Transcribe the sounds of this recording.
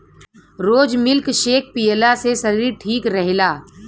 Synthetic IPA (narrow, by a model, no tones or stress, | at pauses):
ɾoːd͡ʒmɪlkʃeːk̚ʰpijəlasesɐɾiːɾʈʰiːkɾɛɦlaː